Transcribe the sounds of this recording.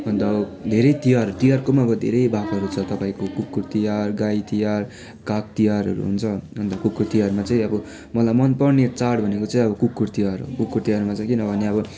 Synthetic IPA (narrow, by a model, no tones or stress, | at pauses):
ɦʌnd̪ʌʌbʌd̪ʱeɾʌjt̪ijarʌɾut̪ijarkomaʌbʌd̪ʱḛɾʌjbʱakʌɾut͡sʰʌt̪ʌpaĩkokukːurt̪ijarɡajt̪ijar | kak̚t̪ijaɾɦʌ̰ɾṵɦṵnt͡sʰʌʌnd̪ʌkukːurt̪ijarmat͡saĩʌbʌ | mʌlajmʌnpʌrnet͡saɽbʱʌnekot͡saĩʌbʌkukːurt̪ijaɾ̰kukːurt̪ijaɾumat͡saĩkinʌbʱʌneʌbʌ